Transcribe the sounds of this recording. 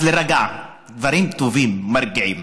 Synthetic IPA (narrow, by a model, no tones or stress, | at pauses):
leɾaɡa | d̪vaɾimt̪ovimːaɾɡiʕim